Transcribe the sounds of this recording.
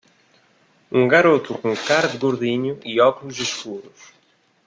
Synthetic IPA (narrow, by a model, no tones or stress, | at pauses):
uŋɡaɾot̪ʊkuŋkaɾd̪ɡoɾðiɲʊʔiɔklʊseskuɾʊs